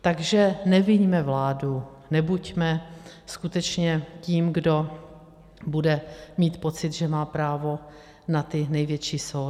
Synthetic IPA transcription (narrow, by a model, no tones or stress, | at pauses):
t̪aɡʒɛnɛvɪɲmɛvlaːdu | nɛbucmɛskut̪ɛt͡ʃɲɛciːmɡdo̞ | budɛmiːt̪po̞t͡sɪd̪ʒɛmaːpɾaːvo̞ | nat̪ɪnɛjvjɛt͡ʃiːsow